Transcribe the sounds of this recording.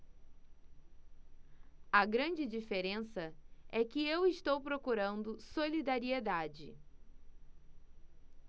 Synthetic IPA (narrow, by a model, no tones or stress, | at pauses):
ɐɡɾɐ̃d͡ʒɪd͡ʒifeɾẽsɐɛkɪewɪʃt̪owpɾokuɾɐ̃nd̪ʊsolid̪aɾied̪ad͡ʒɪ̰